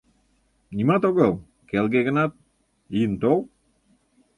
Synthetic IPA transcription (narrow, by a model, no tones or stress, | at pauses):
nʲimɑt̪oɣow | kelɡeɣə̆nɑt̪̚ | int̪ow